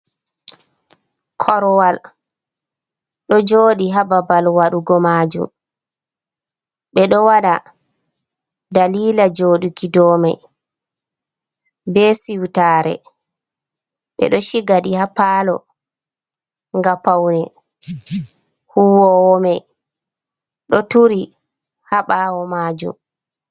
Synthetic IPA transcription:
kʰɔɾwal | ɗɔd͡ʒoːɗiɦababalwaɗuɡɔmaːd͡ʒṵm | ɓɛɗɔwaɗa | daliːlad͡ʒoɗukidɔːmaj | bɛsiwtaːɾɛ̰ | ɓɛ̰ɗɔʃiɡaɗihapaːlɔ̰ | ŋɡapawnɛ | huwɔwɔmɛj | ɗɔtuɾi | haɓaːwɔmad͡ʒṵm

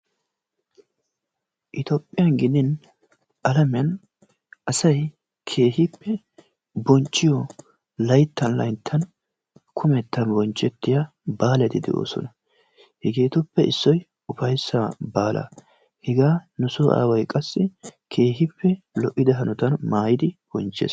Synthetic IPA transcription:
ʔɪt̪opʼːɪjɐnɡɪd̪ɪn | ʔɐlɐmɐn | ʔɐsɐj | kʰe̞ːɦɪpːɛ | bɔnt͡ʃʼːɪjɔ | lɐjt̪ʰːɐnlɐ̰jt̪ʰːɐn | kʰʊmɛt̪ːɐnbɔnt͡ʃʼːɛt̪ːɪja | baːlɛt̪ɪd̪ɛ̰ʔo̰ːsɔ̰nɐ | hɛɡeːt̪ʊpːɛʔɪsːɔj | ʊfɐjsːabaːlʔɐ̰ | hɛɡaːnʊsʊʔa̰ːwɐjkʼɐsːɪkʰe̞ːhɪpʰːɛ | lɔʔːɪd̪ɐɦɐnʊt̪ɐnmaːjɪd̪ɪb̥ɔnt͡ʃːḛːs

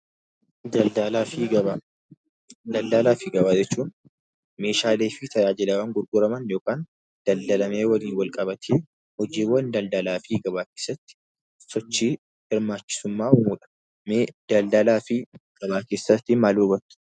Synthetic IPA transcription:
lafiɡɐ | d̪ɐld̪ɐlaːfɪɡɐbaːd͡ʒɛt͡ʃːuːn | me̞ːʃaːleːfɪt̪ʰɐjaːd͡ʒɪlɐwaːŋɡʊɾɡʊɾɐmɐnjo̞ːkaːn | d̪̥ɐld̪ɐlɐme̞ːwɐliːnwɐlkʼɐbɐt̪ʰeː | hɔd͡ʒiːwːɐnd̪ɐld̪ɐlaːfiɡɐbaːke̞ːsːɐt̪ːɪ̥ | sɔt͡ʃːiː | hɪɾmaːt͡ʃːɪ̥sʊmːaːhʊmuːᶑɐ̥ | mːd̪̥ɐld̪ɐlaːfɪɡ̥ɐbaːke̞ːsːɐt̪ːɪmaːluːbɐt̪ːʊ̥

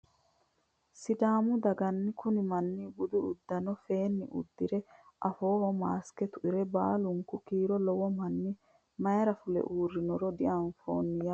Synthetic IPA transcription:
sɪd̪aːmʊd̪ɐɡɐnːɪkʊnɪmɐnːibʊd̪ʊʊd̪ːɐnɔfe̞ːnːɪ̰ʔʊ̰d̪ːɪɾɛʔɐfo̞ːhɔmaːskɛt̪ʊʔɪɾɛbaːlʊŋkʊkiːɾɔlɔwɔmɐnːɪ | mɐjɐɾɐfʊlɛ̰ʔuːrːɪnɔɾɔd̪ɪʔɐnfo̰ːnːɪja

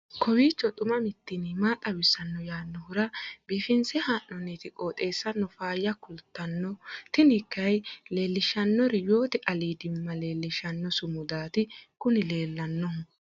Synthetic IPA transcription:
kʰɔwiːt͡ʃːɔt̪ʼʊmɐmɪt̪ːɪnɪmaːt̪ʼɐwɪsːɐnːɔjaːnːɔhʊɾɐb̥iːfɪnsɛhaːʔɔniːt̪ɪkʼoːt̪ʼe̞ːsːɐnɔfaːjːɐkʊlt̪ːɐnːɔt̪ɪnɪkːɐjle̞ːlːɪʃɐnːɔɾɪjo̞ːt̪ɛʔɐliːd̪ɪmːɐle̞ːlːɪʃɐnːɔsʊmʊd̪aːt̪ɪkʊnɪle̞ːlːɐnːɔhʊ

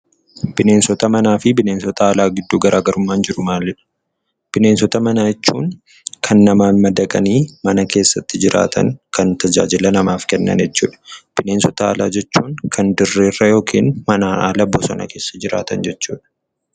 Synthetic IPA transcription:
b̥ɪne̞ːnsɔt̪ɐmɐnaːfɪbɪne̞ːnsɔt̪ɐaːlaːɡɪd̪ːuːɡɐɾʔaːɡɐɾʔʊmːaːnd͡ʒɪɾʊmaːlːɪᶑɐ̥ | b̥ɪne̞ːnsɔt̪ɐmɐnaːjɛt͡ʃːuːŋ | kʰɐnːɐmaːnmɐd̪ɐkʼɐniːmɐnɐke̞ːsːɐt̪ːɪd͡ʒɪɾʔa̰ːt̪ʰɐ̰ŋkɐnt̪ɐd͡ʒa̰ːd͡ʒɪlɐnɐmaːfkɛnːɐ̰njɛt͡ʃːṵːᶑɐ̥b̥ɪne̞ːnsɔt̪ɐa̰ːla̰ːd͡ʒɛt͡ʃːuːŋkʰɐnd̪ɪrːeːrːɐjo̞ːkʰiːnmɐnaːaːlɐbosɔnɐ̰ke̞ːsːɐd͡ʒɪɾa̰ːt̪ɐ̰nd͡ʒɛt͡ʃːuːᶑɐ̥

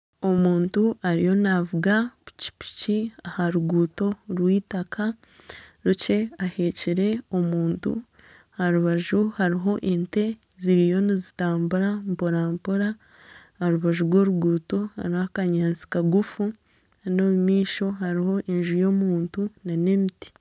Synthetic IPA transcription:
o̞muːntuaɾijo̞navuɡau̥ci̥pi̥ciahaɾuɡuːto̞ɾwiːtakʰa | ɾut͡ʃe̞ahe̞ciɾe̞o̞muːntṵ | haɾuβaʒuhaɾiɦo̞ʔente̞ | ziɾijo̞nizitaːmbuɾampoɾaːmpoɾa | haɾuβaʒuɾɡwo̞ːɾuɡuːto̞ha̰ɾihakaɲaːnt͡si̥kaɡufu | ano̞βumiːʃo̞haɾiho̞ʔenʒujo̞ːmuːntunane̞miti̥

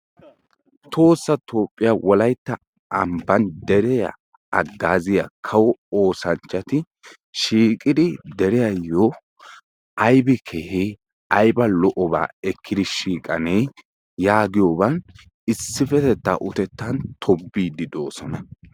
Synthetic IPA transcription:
t̪ʰo̞ːsːɐt̪o̞ːpʼːɪjawɔlɐjt̪ːɐ | ʔɐmbɐnd̪ɛɾɛja̰ | ɐɡːaːzɪja̰kʰɐwɔoːsɐnt͡ʃːɐt̪ɪ | ʃiːkʼɪd̪ɪd̪ɛɾɛjɐjo | ʔɐjbɛkʰehe | ɐjbɐlɔʔɔba̰ːɛkʰːɪd̪ɪʃiːkʼɐneː | jaːɡɪjoːbɐn | ɪsːɪfɛt̪ɛt̪ːa̰ʔʊt̪ɛt̪ːɐnt̪ʰɔbːiːd̪ɪd̪o̞ːsɔnɐ

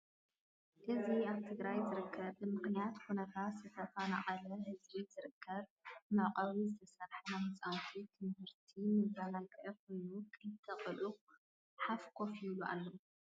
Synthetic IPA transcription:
ʔɨziaβt̪ʰɨɡɾajzɨɾɨkʰːɐbɨmɨxnijat̪kunɐt̪ʰat̪zɨt̪ʰɐfɐna̰qʼɐlɐhɨzbizɨɾɨkʰːɐβmɨʕqʼɐβizɨt̪ʰɐsɐɾħɐnamɨt͡sʼawt̪ʰit̪ʰɨmhɨɾt̪ʰimɨzalakʼʕɐk̚ojnukʰɨɨt̪ʰːɐqʼɐlu | ħafkʰo̞filuʔa̰lːo

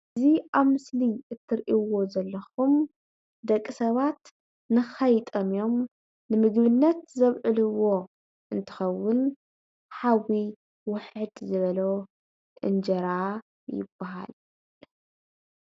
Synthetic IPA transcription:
ʔɨziʔaβmɨsliʔɨt̪ʰːɨɾʔiwo̞zɐlːɐxum | d̪ɐkʼːisɐβat̪ | nɨxɐjt̪ʼɐmijo̞m | nɨmɨɡβɨnːɐt̪zɐβʕɨlɨwo̞ | ʔɨnt̪ʰɨ̥xɐwːʊn | ħawi | wʊħɨd̪zɨβɐlo | t̪ʼɨ̰nd͡ʒɐɾa | jɪ̰b̥ːaɦa̰l

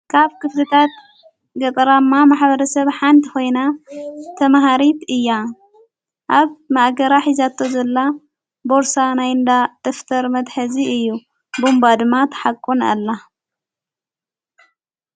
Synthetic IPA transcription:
kʰaβkʰɨflɨt̪ʰat̪̚ | ɡɐt̪ʼɐɾamːamaħbɐɾɐsɐβħant̪ʰixo̞jnat̪ʰɐmɦaɾit̪ɨjːa | ʔaβmaʔɡɐɾaħizat̪ʰːozɐlːa | bo̞ɾsanajnd̪at̪ʼɨft̪ʰɐɾmɐd̪ħɐziɨjːu | bumbad̪ɨmːat̪ʰɐ̥ħakʼːuna̰lːa

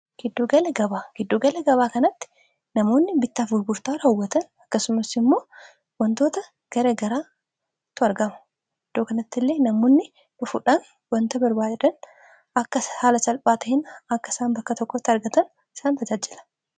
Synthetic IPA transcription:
ɡ̥ɪd̪ːoːɡɐlɛɡɐbaːɡ̥ɪd̪ːoːɡɐlɛɡɐβaːkɐnɐt̪ːɪ̥ | nɐmoːnːɪbɪt̪ːaːfɡʊlɡʊɾt̪aːɾɐːʊwːɐt̪ɐnɐkːɐsʊmɐsɪmːo̞ː | wɐnt̪o̞ːt̪ɐ | ɡ̥ɐɾeːɡɐɾaː | t̪ʊɐɾɡɐmɐ̥ | ɡ̥ɪd̪ːoːkɐnɐt̪ːɪlːe̞ːnɐmoːnːɪ | ᶑʊfʊᶑaːn | wɐnt̪ɐbɐɾbaːd͡ʒɛᶑɐn | ɐkːɐhaːlɐt͡ʃɐlpʼaːt̪ɐhɪnɐkːɐɪsaːnbɐkːɐt̪ɔkːɔt̪ːɪɐɾɡɐt̪ɐn | ɪ̥saːnt̪ɐd͡ʒaːd͡ʒɪlɐ̥

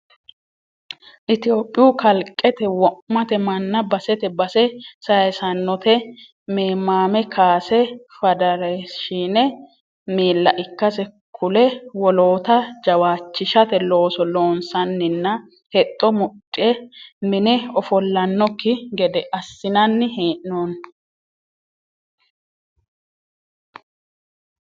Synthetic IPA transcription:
ʔɪt̪ɪjo̞ːpʼːɪjukɐlkʼːɛt̪ɛwɔʔmɐt̪ɛmɐnːɐbɐsɛt̪ɛbɐsɛsɐjɛsɐnːɔt̪ɛ | meːmːaːmɛkʰaːsɛfɐd̪ɐɾɛʃiːnɛ | miːlːɐʔɪkːɐsɛ | kʰʊlɛwɔloːt̪ɐd͡ʒɐwaːt͡ʃːɪʃɐt̪ɛlo̞ːsɔlo̞ːnsɐnːɪnːɐ | hɛt̪ʼːɔmʊtʼːɪɛmɪnɛɔfɔlːɐnːɔkːɪɡɛd̪ɛʔɐsːɪnɐnːɪheːʔnon

